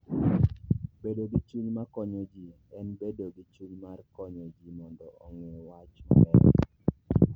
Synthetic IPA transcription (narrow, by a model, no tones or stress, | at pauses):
bedoɡit͡ʃuɲmakɔɲɔd͡ʒi | ɛnbedoɡit͡ʃuɲmarkɔɲɔd͡ʒimɔndɔʔɔŋɪwat͡ʃma̰mɛ̰